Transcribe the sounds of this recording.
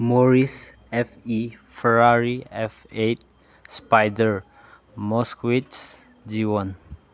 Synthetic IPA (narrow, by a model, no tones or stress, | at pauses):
mɔɹis | ɛfifɛɹaɹiɛfet̚ | spajdəɹ | mɔskwits | d͡ʒiwãn